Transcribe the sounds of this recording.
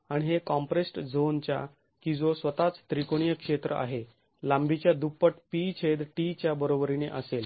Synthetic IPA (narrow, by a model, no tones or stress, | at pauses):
aɽ̃iɦekɔ̃mpɾesʈd͡zont͡ɕja̰ | kĩd͡zosʋət̪at͡st̪ɾikoɽijəkʂet̪ɾəʔa̰ɦe | lãmbit͡ɕjad̪upːəʈpit͡ɕʰed̪ʈit͡ɕjabəɾobɾineʔəsel